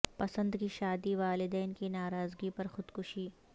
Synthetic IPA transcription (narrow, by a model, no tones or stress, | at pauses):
pɐsə̃nd̪kiʃaːd̪iʋaːlɪd̪ɛːnkinaːɾaːzɡipɐɾxʊd̪kʊʃiː